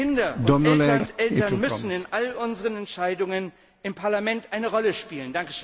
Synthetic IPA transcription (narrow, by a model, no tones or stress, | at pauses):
ɪndɐdɔolʔɛltɐnmʏsn̩ɪnʔalʊnzəʁənɛntʃaɪdʊŋən | ɪmpʰaɐlamɛntʔaɪnəʁɔləʃpiːləndaŋkə̥ʃø